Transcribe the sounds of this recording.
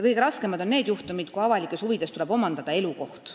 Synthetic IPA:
jɑkɤjɡe̞ɾɑskemɑd̪o̞nne̞ːd̪juht̪umid̪̥kuɑvɑlikːˑe̞shuvid̪e̞st̪ule̞b̥o̞mɑnd̪ɑd̪̥ɑe̞luko̞h̪

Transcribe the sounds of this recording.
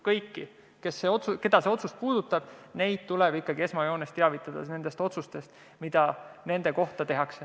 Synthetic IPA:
kɤjkːi | ke̞sːe̞o̞t̪suke̞d̪̥ɑseo̞t̪suspuːd̪̥ut̪ːˑɑb̥ne̞jd̪̥̚t̪uleb̥ikːˑɑɡie̞smɑjo̞ːnest̪eɑvit̪ːˑɑd̪̥ɑ̰ne̞nd̪̥e̞st̪o̞t̪sust̪e̞st̪ | mid̪̥ɑne̞nd̪̥e̞ko̞ht̪ɑt̪e̞ɦɑkse

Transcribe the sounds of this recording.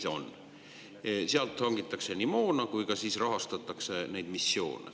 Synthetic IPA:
o̞̰nː | seɑlt̪hɑŋɡit̪ːˑɑkse̞nimoːnɑkujkɑsiːsrɑɦɑst̪ɑt̪ːˑɑkse̞nejd̪̥misːjo̞̰ːnḛ

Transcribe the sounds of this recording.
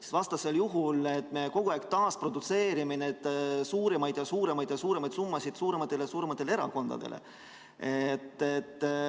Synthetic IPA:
si̥svɑst̪ɑse̞ljuɦule̞t̪ːˑmejko̞ɡ̥uæːkt̪ɑːspro̞d̪̥ut̪se̞ːɾiminet̪ːsuːɾemɑjd̪̥jɑsuːɾe̞mɑjd̪jɑsuːɾe̞mɑjd̪sumːɑsid̪̥suːɾemɑt̪ːˑe̞lejɑsuːɾemɑt̪ːˑeleeɾɑ̰ko̞nd̪̥ɑ̰d̪e̞̰lʔḛ | et̪ːet̪ːˑ

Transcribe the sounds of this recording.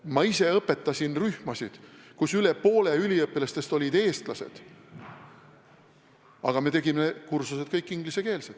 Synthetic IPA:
mɑise̞ɤpːˑe̞t̪ːˑɑsinryhmɑsid̪̥kusyle̞po̞ːleylʲiɤpːˑilɑst̪e̞st̪o̞lʲid̪e̞ːst̪lɑse̞̰d̪̥ | ɑɡ̥ɑme̞t̪e̞ɡimekursuse̞d̪̥̚kɤjkːˑiŋɡ̥lise̞ke̞ːlsed̪

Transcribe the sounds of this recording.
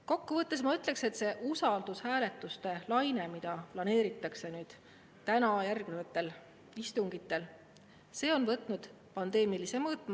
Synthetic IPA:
ko̞kːuvɤt̪ːˑes̬mɑyt̪ːˑle̞kse̞t̪ːˑse̞ʔusɑld̪̥ushæːle̞t̪ːˑust̪e̞lɑjne̞mid̪̥ɑplɑne̞ːɾit̪ːˑɑkse̞nyːd̪̥ | t̪ænɑjærɡ̥nevɑt̪ːˑe̞l | ist̪uŋɡ̥it̪ːˑe̞l | se̞ːo̞nvɤt̪ːˑnud̪̥ | pɑnd̪e̞ːmilise̞mɤːt̪ːˑmɑ

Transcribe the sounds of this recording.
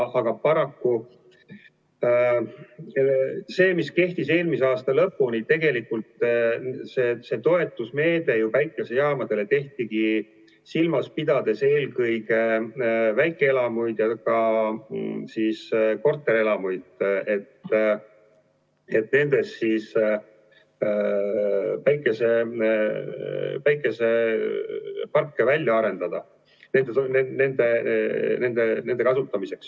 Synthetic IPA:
ʔɑɡ̥ɑpɑɾɑkːu | se̞ːmiske̞ht̪ise̞ːlmiseɑːst̪ɑlɤpːunit̪e̞ɡe̞likːult̪ | sese̞t̪o̞e̞t̪ːˑusme̞ːd̪̥e̞jupæjkˑese̞jɑːmɑd̪̥e̞le̞t̪e̞ht̪iɡ̥i | silmɑspid̪̥ɑd̪̥e̞se̞ːlkɤjke | væjkːˑeelɑmujd̪̥jɑkɑ | siːsko̞rt̪ːˑeɾe̞lɑmujd̪̥e̞t̪ː | e̞t̪ˑne̞nd̪̥e̞ssiːs | væjkːˑe̞se̞ | væjkːˑe̞se̞ | pɑrkːevælʲjɑɑɾe̞nd̪̥ɑd̪̥ɑ | ne̞nd̪̥et̪nene̞nd̪̥ene̞nd̪̥enend̪ekɑsut̪ˑːɑmise̞ks

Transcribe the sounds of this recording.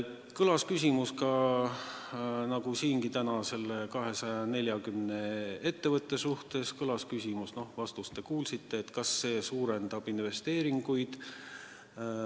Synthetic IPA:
kɤlɑskys̬ʲimuskɑ | nɑɡ̥usiːŋɡit̪ænɑse̞lːe̞kɑɦe̞sɑjɑne̞lʲjɑkymne̞e̞t̪ːe̞vɤt̪ˑːe̞suht̪e̞skɤlɑskysʲimusno̞hvɑst̪ust̪ːe̞kuːlsit̪ːe̞ːt̪ːkɑsːe̞ːsuːɾe̞nd̪̥ɑb̥inve̞st̪e̞ːɾiŋɡ̥ujd̪̥

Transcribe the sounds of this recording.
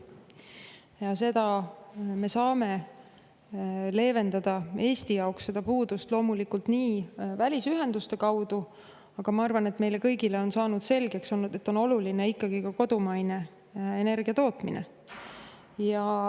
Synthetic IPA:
jɑse̞d̪̥ɑme̞sɑːme̞ | le̞ːve̞nd̪̥ɑd̪̥ɑe̞ːst̪ijɑoksːe̞d̪̥ɑpuːd̪ust̪lo̞ːmulikult̪niːvælʲisyɦe̞nd̪̥ust̪e̞kɑwd̪u | ɑɡ̥ɑmɑɑrvɑne̞t̪me̞jle̞kɤjɡile̞o̞nsɑːnud̪̥se̞lɡ̥e̞kso̞nːud̪̥e̞t̪ːˑo̞no̞luline̞ikːɑɡ̥ikɑko̞d̪̥umɑjne̞ | e̞ne̞rɡ̥iɑt̪o̞ːt̪minḛ | jɑ

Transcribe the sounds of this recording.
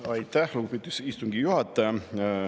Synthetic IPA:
ɑjt̪ːˑæhluɡupit̪ːisist̪uŋɡ̥ijuhɑt̪ːˑɑjɑ

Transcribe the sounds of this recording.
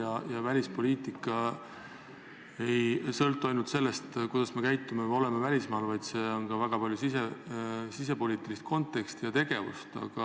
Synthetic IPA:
ɑjɑvælʲispo̞liːt̪ˑikːˑɑ | ejsɤlt̪ːˑuɑjnult̪se̞lːest̪kujd̪̥ɑsme̞kæjt̪ːˑumemo̞le̞mevælʲismɑːlvɑjd̪̥se̞o̞nkɑvæɡ̥ɑpɑlʲjusisesis̬e̞po̞lʲiːt̪ːilist̪̚ko̞nt̪ːˑe̞kst̪ijɑt̪e̞ɡ̥e̞vṵst̪ɑ̰ɡ̥ɑ

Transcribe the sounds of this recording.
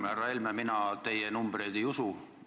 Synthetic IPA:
mærɑelmɑminɑt̪e̞jenumb̥re̞jd̪̥ejusu

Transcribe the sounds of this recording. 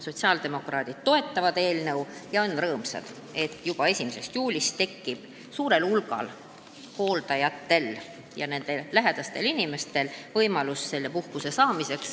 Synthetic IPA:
so̞t̪ʲsiɑːld̪̥e̞mo̞krɑːd̪̥id̪̥t̪o̞e̞t̪ːˑɑvɑd̪e̞ːlnɤwjɑo̞nrɤːmsɑ̰d̪̥ | e̞t̪ːˑjub̥ɑe̞sʲimese̞st̪juːlʲist̪e̞kːib̥ | suːɾe̞lulɡ̥ɑ̰l | ho̞ːld̪̥ɑjɑt̪ːe̞l | jɑne̞nd̪̥e̞ːæɦe̞d̪̥ɑst̪e̞linʲime̞st̪e̞lvɤjmɑlusse̞lːe̞puhkuse̞sɑːmise̞ks

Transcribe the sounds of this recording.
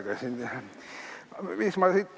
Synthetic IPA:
kɑsʲin | miksmɑsit̪ː

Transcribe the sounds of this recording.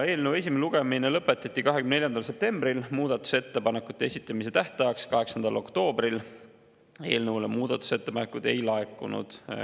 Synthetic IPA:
e̞ːlnəwe̞s̬ʲimeeluɡ̥e̞minelɤpːˑe̞t̪ːˑɑt̪ʲˑːikɑɦekymneljɑnd̪̥ɑlse̞p̚t̪e̞mb̥rilmuːd̪ɑt̪ːˑu̥se̞t̪ːe̞pɑne̞kːˑut̪ːˑe̞esit̪ːˑɑmise̞t̪æht̪ɑjɑkskɑɦe̞ksɑnd̪̥ɑlo̞kt̪o̞ːbril | e̞̰ːlnəwlemuːd̪̥ɑt̪ːˑu̥se̞t̪ːepɑnekːˑud̪̥e̞̰jlɑekːˑunṵd̪̥

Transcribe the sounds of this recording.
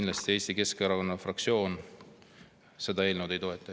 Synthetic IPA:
nlɑst̪ie̞ːst̪ike̞skeɑɾɑko̞nːɑfrɑk̚sio̞ːn | se̞d̪ɑe̞ːlnewd̪e̞jt̪o̞e̞t̪ːˑɑ

